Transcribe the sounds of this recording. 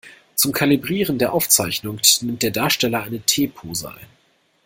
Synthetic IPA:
t͡sʊmkʰalibʁiːʁəndeːɐʔaʊft͡saɪçnʊŋknɪmt̚d̥eːɐdaːɐʃtɛlɐʔaɪnətʰeːpʰoːza̰

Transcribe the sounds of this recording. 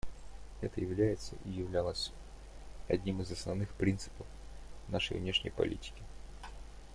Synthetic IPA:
ɛt̪əjɪvlʲæjɪt̪sə̰ʔijɪvlʲalˠəsʲ | ɐdʲnʲimɨzɐsnɐvnɨxpɾʲint̪sɨ̥pəfnaʂə̰jvnʲeʂnʲɪ̰jpɐ̰lʲʔḭtʲɪ̥kʲɪ

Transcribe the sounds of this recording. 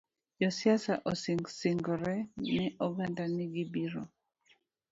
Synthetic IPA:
jɔsiasaʔosisɪŋɡɔɾɛnɛʔɔɡandanɪɡibiɾo̰

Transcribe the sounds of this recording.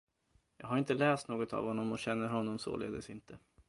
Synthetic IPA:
jɑːɡɦaɾɪnt̪əlɛːst̪noːɡɔt̪a̰vhɔnːɔmɔɕɛnːəɾɦɔnːɔmso̰lḛːd̪əsɪnt̪ʰə

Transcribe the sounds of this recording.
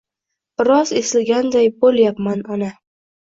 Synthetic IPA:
b̥ɪɾɒzesɪlɡʲand̪ajboljapmanɒna

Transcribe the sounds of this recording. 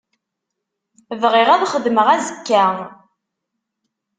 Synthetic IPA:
vʁɪʁæðχəðməʁæzəkːæ

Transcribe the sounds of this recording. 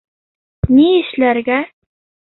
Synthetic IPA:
niɘ̆ʃlæɾɡæ

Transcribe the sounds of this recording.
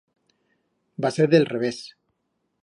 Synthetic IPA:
baseɾðelreβes

